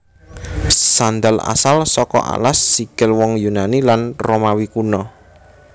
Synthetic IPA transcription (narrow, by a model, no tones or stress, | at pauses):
sand̪ala̰salsɔkɔ̰ʔa̰lasːikɪlwɔŋjunanilanromawikunɔ